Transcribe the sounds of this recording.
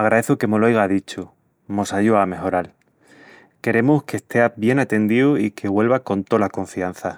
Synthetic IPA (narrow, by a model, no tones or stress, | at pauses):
aɣɾaðe̞θoke̞mo̞loijɣaðit͡ʃo | mo̞saʝuame̞xo̞ɾal | ke̞ɾe̞muske̞st̪e̞aβje̞nat̪e̞nd̪ioikʰe̞ɣwe̞lβako̞nt̪o̞lako̞ɱfianθa